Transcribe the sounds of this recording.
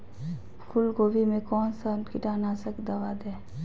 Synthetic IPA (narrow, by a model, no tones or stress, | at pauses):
kʰʊlɡoːʋimẽkɔːnsankɪʈaːnaːsəkd̪ɐʋad̪eː